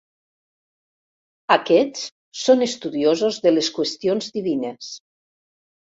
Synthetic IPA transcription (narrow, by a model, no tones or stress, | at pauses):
akɛt͡s | sonest̪uðiozozðeleskwest̪ionzðiβines